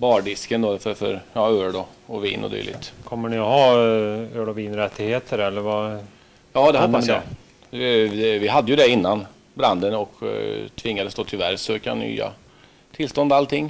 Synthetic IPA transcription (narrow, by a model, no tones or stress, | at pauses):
bɑːɖɪskənd̪ɔfœfœ̰ɾɑːøːɖ̪ɔɔvḭːnʔɔ̰d̪y̰ːlɪ̰ɡt̪kʰɔmːəɳɪhɑ | øːɖɔviːnɾɛt̪ʰːɪɡheːt̪ʰəɾɛlːəɾva | jɑːd̪ɛhɔpːasjɑ̰ | ɛvɪɦad̪ːəjʉd̪ɛɪnːan | bɾand̪ənɔkt̪ʰvɪŋːad̪əst̪oːt̪ʰɪvæɾsøːka̰ny̰ːa̰ | t̪ʰɪlːst̪ɔnd̪alt̪ʰɪŋː